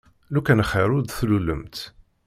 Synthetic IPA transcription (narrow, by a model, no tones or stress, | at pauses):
lukænəχəɾʊd̪θluləmt̪